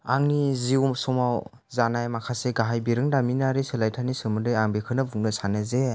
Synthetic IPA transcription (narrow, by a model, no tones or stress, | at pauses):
aŋniziumsɔmaw | zanajmakʰaseɡaɦajbiɾɯŋdaminaɾisɯlajtʰanisɯmɯdɯjaŋbekʰɯnɯbuŋnɯsanɯze